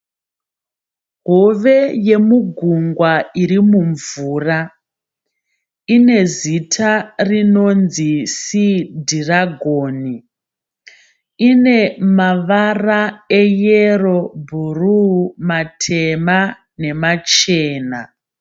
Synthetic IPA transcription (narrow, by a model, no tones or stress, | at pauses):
ɦo̞ʋe̞je̞muɡʱuŋɡwaiɾimuɱvuːra | ine̞zitʰarino̞nzisidʱiraɡʱoːni | ine̞maʋaraejero̞bʱurumatʰe̞ma | ne̞mat͡ʃeːna